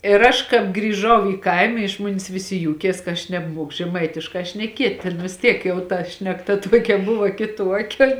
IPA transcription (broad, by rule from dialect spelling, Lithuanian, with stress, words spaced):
ɪr ˈɐʃ kɑːp ɡrʲiːˈʒɐʊ iː ˈkɐɪmɐ ɪʃ ˈmoːnʲɪs ˈʋʲɪˌsʲɪ ˈjuːkʲiɛs kɐ ˈɐʃ nʲɛbˈmuɔkʊ ʒʲɛˈmɐɪtʲɪʃkɑː ʃʲnʲɛˈkʲiɛtʲ tʲeːn ʋʲɪs ˈtʲiɛk jɛʊ ˈtɐ ʃʲnʲɛkˈtɐ ˈtuɔkʲɛ ˈbʊʋɐ kʲɪˈtuɔkʲɛ